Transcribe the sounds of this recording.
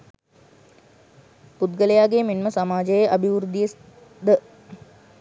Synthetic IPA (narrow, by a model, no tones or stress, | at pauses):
put̪ɡələjaːɡeːmenməsamaːd͡ʒəjəʔɐbʱiʋuɾud̪ijəs | d̪ə